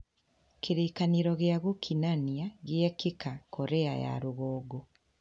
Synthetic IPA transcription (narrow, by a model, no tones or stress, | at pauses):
kiɾiːkaniɾoɣjaɣukʰinaniaɣjekikakʰoɾeaja̰ɾuɣoːɡo